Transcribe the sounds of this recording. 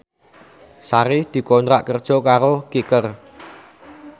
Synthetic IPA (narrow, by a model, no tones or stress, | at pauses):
saɾɪhd̪̥i̤kɔnt̪ɾaʔkərd̥ʒ̥ɔ̤kaɾokikər